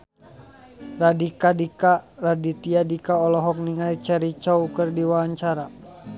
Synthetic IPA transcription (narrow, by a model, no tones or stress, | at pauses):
radikadikaradit̪iadikaɔlɔɦɔk̚niŋait͡ʃɛɾit͡ʃɔukərdiwaaɲt͡ʃaɾa